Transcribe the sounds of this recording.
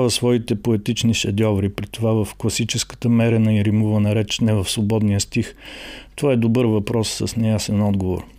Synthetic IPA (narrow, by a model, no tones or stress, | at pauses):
avəsvɔit̪ɛpoɛt̪it͡ʃniʃɐd̪ʲjɔvɾipɾit̪ovavəfklˠɐsit͡ʃɛskə̥t̪əmɛɾɛnəiɾimuvənɐɾɛt͡ʃnɛvəfsvobɔd̪nijəst̪ixt̪ovaɛd̪obɤɾvɐpɾɔsːə̰snɛjasɛnɔd̪ɡovo̰ɾ